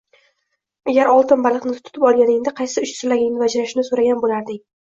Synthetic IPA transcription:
aɡʲaɾɒlˠt̪ɪnbalˠɨqnɪt̪ʰʊ̥t̪ʰʊ̥t̪ɪpɒlˠɡʲanɪŋd̪ɪqʰɑjsɪʊt͡ʃsɪlaɡʲɪŋnɪvad͡ʒɾaʃɪnɪsoɾaɡʲanbolaɾd̪ɪ

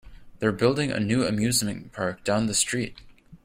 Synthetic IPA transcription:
ðə˞bɪlˠdɪ̃ŋɨ̰nʉɨ̰mjʉzmɨ̃npʰɑɹk̚d̥ãʊ̃nðɨstɹ̥it̚

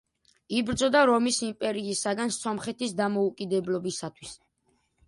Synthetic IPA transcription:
ibɾd̪zɔd̪aɾɔmisimpʼɛɾiːsaɡansɔmχɛt̪ʰisd̪amɔukʼid̪ɛblɔbisat̪ʰwis

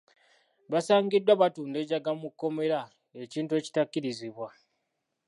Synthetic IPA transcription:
βasaːŋɡidwaβatuːnde̞ːɟaɡamukːo̞me̞ɾa | eciːntue̞ːci̥takːiɾiziβwa

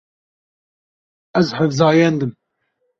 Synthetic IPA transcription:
ɛzħəvzɑːjɛnd̪ɨm

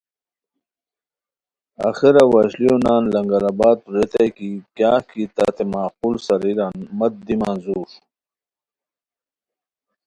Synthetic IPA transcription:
a̰xeɾawaɕlijonaːnlɐŋɡɐɾabaːt̪̚uɾet̪ejkikjaːkit̪a̰t̪emaːquːlsɐɾiɾanmɐt̪̚d̪imaːnzuːʂu̥

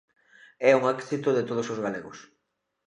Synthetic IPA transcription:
ɛuŋakθit̪ʊðet̪oð̞ʊsozɣaleɣʊs

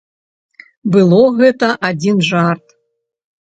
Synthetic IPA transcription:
bɨlˠɔɣɛt̪ɐʔad͡zʲinʐart̪

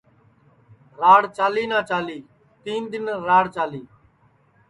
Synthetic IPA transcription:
ɾaːɽt͡ʃaːliːnãːt͡ʃaːliː | t̪iːnd̪ɪnɾaːɽt͡ʃaːliː

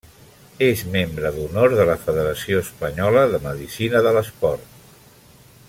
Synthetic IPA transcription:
ezmembɾəðunoɾðələfəðəɾəsioəspəɲɔləðəməðisinəðələspɔrt̪

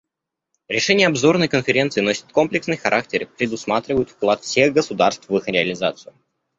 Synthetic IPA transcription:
ɾʲɪʂɛnʲɪjəɐbzo̞rnəjkənfʲɪɾʲent̪sɨno̞sʲɪ̥t̪̚ko̞mplʲɪksnɨjxɐɾʔak̚tʲɪrpɾʲɪd̪ʊsmat̪ɾʲɪvəjʊt̪fklˠat̪fsʲe̞ɣɡəsʊd̪arst̪vɨxɾʲɪɐlʲɪza̰t̪sɨjʊ

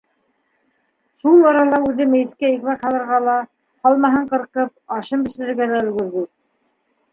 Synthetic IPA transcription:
ʃulˠɑɾɑlˠɑʉðɘmɘ̆jɘ̆skæjɘ̆kmækhɑlˠɤ̆ɾʁɑlˠɑ | hɑlˠmɑɦɤɴqɤ̆ɾqɤp̚ɑʃɤmbɘ̆ʃɘ̆lɘ̆ɾɡælæɵ̆lɡɵ̆ɾðɘ

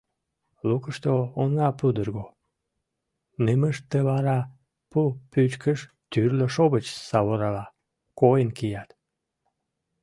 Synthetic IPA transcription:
lukəʃt̪oːnɑpud̪ərɣo | neməʃt̪ːəβɑɾɑ | pupyt͡ɕkəʃ | t̪yrləʃoβət͡ɕsɑβoɾɑlɑ | kojənkijɑt̪

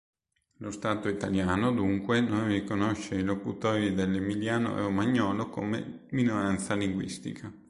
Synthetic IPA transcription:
lost̪aːt̪oit̪aljaːnod̪uŋkwenonrikonoʃːeilokut̪ɔːɾid̪elːemiljaːno̰ɾomaɲːɔːloko̰mḛ | minoɾant̪saliŋɡwḭst̪ḭkʰa

